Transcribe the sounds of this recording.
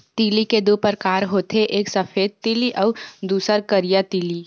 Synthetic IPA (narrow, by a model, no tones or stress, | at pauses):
t̪iːliked̪upəɾkaːɾɦoːt̪ʰeʔeːksɐfʰeːd̪̚t̪iːliʔɔʊd̪uːsəɾkəɾijat̪iːli